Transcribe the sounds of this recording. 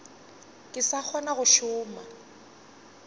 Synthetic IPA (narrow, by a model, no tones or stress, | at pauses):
kʼɪsak͡xʰɔnaɣʊʃʊːma̰